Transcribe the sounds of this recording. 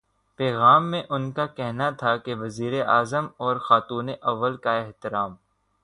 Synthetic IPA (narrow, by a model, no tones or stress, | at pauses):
pɛːɣaːmːẽʔʊnkakɛɦnat̪ʰakeʋɐziːɾeʔaːzəmɔːɾxaːt̪uːneʔɐʋːəlkaɪɦt̪ɪɾaːm